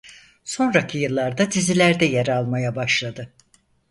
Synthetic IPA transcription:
so̞nɾacʰijɯlˠːaɾd̪ad̪izilʲæɾd̪ɛjeɾalˠmajabaʃlˠad̪ɯ

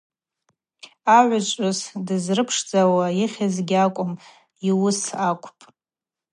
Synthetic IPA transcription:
aʕʷat͡ʃʷʼʊsdɨzrɨpʰʂd͡zawaiχʲazɡʲakʷʼʊm | iwʊsakʷʼʰpʼ

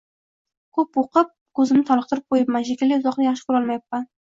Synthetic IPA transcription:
kʰɵpoqɨp̚kʰɵzɪmnɪt̪ʰɒlˠɨq̚t̪ʰɪɾɪp̚qʰojɪpmanʃekʲɪlːɪzɒqnɪjɑχʃɪ̥kʰʊɾɒlˠmajapːan

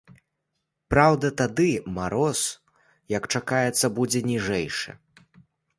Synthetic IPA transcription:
pɾawd̪ɐt̪ad̪ɨmaɾɔs | jɐkt͡ʂakajɛt̪sːɐbud͡zʲɛnʲiʐɛjʂɨ̰

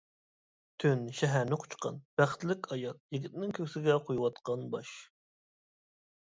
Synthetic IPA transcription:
t̪ʰynʃɛɦæɾnɪqʰʊ̥t͡ʃqɑ̰nb̥æχt̪lɪkʲʰɑjɑt̪̚jiɡʲit̪nɪŋkʲʰøkʲsɪɡʲɛqʰojwɑt̪qɑnbɑʃ

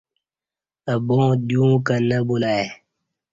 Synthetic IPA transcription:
ɐbõːd̪jũːkɐnɐbulaːe

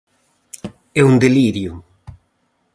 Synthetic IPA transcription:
ɛund̪eliɾju

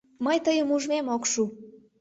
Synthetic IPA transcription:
məjt̪əjəmuʒmemokʃu

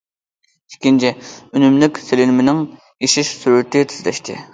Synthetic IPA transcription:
ikʲint͡ʃʰiynymlɪkʲselɪlmɪnɪŋ | eʃɪʃsyɾyt̪ʰɪt̪ʰɪzlɛ̰ʃt̪ʰɪ̰

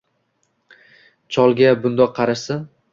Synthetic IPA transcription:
t͡ʃʰɒlˠɡʲabʊnd̪ɒqʰːɑɾaʃsɪn

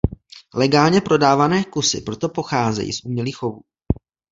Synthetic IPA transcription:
lɛɡaːlɲɛpɾo̞daːvanɛːkusɪ̰pɾo̞t̪o̞po̞xaːzɛ̰jḭːsʔumɲɛliːxo̞vuː

